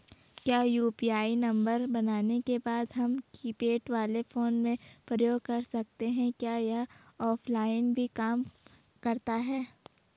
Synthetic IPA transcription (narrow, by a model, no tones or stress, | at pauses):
kjaːjuːpiaːinɐ̃mbəɾbɐnaːnekebaːd̪ɦɐmkiːpeːʈʋaːlefoːnmẽpɾəjoːɡkɐɾsɐk̚t̪eɦɛ̃kjaːjɐɦɔːpʰlaːɪnbʱikaːm | kɐɾt̪aɦɛː